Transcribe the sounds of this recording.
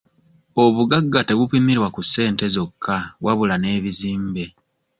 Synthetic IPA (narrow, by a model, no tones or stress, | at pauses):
o̞βuɡaɡːate̞βupimiɾwakusːe̞ːnte̞zo̞kʰːaβwaβulane̞ːβiziːmbe̞